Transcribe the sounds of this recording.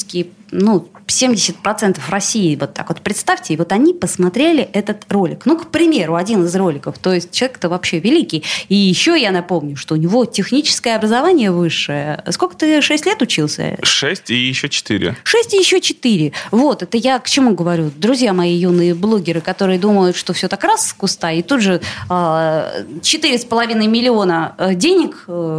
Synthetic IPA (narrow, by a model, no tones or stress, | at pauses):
kʲɪnusʲemdʲɪsʲɪt̪̚pɾɐt̪sɛnt̪əfrɐsʲːiɪvo̞t̪ːa̰kvo̞t̪̚pɾʲɪt̪st̪afʲtʲɪvo̞t̪ɐnʲipəsmɐt̪ɾʲelʲɪʔɛt̪ət̪ro̞lʲɪknukpɾʲɪmʲe̞ɾʊɐdʲinɨzro̞lʲɪkəft̪o̞jɪsʲt̚ʲt͡ɕɪlˠɐvʲekt̪əvɐpɕːe̞vʲɪlʲikʲɪjijɪɕːojanɐpo̞mnʲʊʂt̪o̞ʊnʲɪvo̞tʲɪxnʲit͡ɕɪ̥skəjəɐbɾəzɐvanʲɪjəvɨʂːɨjəsko̞lʲkə̥t̪ɨʂɛsʲtʲlʲe̞t̪ʊt͡ɕilˠsʲə̰ʂɛsʲtʲɪjɪɕːot͡ɕɪ̥t̪ḭɾʲɪ̰ʂɛsʲtʲɪjɪɕːot͡ɕɪt̪ɨɾʲɪvo̞t̪ɛt̪əjakt͡ɕɪmuɡəvɐɾʲud̪ɾʊzʲjamɐjijunːɨjəblˠo̞ɡʲɪɾɨkɐt̪o̞ɾɨjəd̪uməjʊt̪ʂt̪ofsʲot̪akraskʊst̪aɪt̪ud̪ʐɨə | t͡ɕɪt̪ɨɾʲɪspəlˠɐvʲinəjmʲɪlʲɪonədʲenʲɪkː